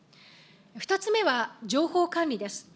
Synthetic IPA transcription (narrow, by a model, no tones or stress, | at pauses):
ɸɯ̟̥t̪at͡sɨme̞βad͡ʑo̞ːho̞ːkãnʲɾʲid̪e̞sɨ̥